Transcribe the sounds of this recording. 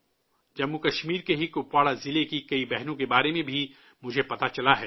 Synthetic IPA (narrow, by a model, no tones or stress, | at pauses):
d͡ʒɐmːukɐʃmiːɾkeɦikʊpwaːɽazɪlekikɐibɛɦnõkebaːɾemẽbʱi | mʊd͡ʒʱepɐt̪at͡ʃɐlaɦɛː